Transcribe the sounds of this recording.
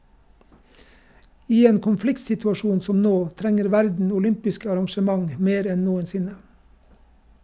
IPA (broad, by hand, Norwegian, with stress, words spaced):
ˈiː ˈeːn kʊnˈflɪktsɪtʉɑˌʃuːn ˈsɔm ˈnoː ˈtɾɛŋəɾ ˈʋæɾdn̩ ʊˈlʏmpɪskə ɑɾɑŋʃəˈmɑŋ ˈmeːɾ ˈɛn ˈnuːənˌsɪnə